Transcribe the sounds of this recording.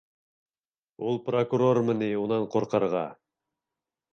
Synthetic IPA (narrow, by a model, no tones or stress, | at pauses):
ulˠprokuɾormə̆niunɑɴqoɾqɤ̆ɾʁɑ̰